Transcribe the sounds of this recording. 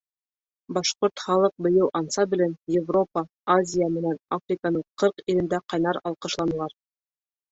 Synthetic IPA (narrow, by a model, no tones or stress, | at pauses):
bɑʃqoɾt̪χɑlˠɤq̚bɤ̆jɤw̪ˠʔɑnsɑbɘ̆lænjevro̞pɑ | azʲijamɘ̆nænafrʲikanɤɴqɤɾqilɘ̆nd̪æqɑjnɑɾɑlˠqɤ̆ʃlˠɑnɤ̆lˠɑɾ